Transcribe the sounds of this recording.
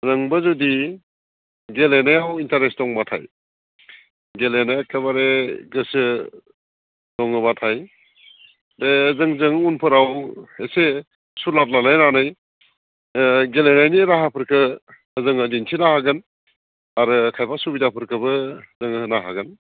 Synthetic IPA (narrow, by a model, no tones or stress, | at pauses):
ɾɐŋbɐzudi | ɡelenajawintaɾesdɔŋbatʰa̰j | ɡelenajakʰaβaɾeɡɯsɯ | dɔŋɯbatʰaj | bezɯŋzɯŋunpʰɯɾawese | sulat̚lanajnanaj | ɡelenajniɾaɦapʰɯɾkʰɯː | zɯŋədinsʰinahaɡɯn | aɾɯkʰajpʰak̚subidapʰɯɾkʰɯbɯzɯŋnaɦaɡɯn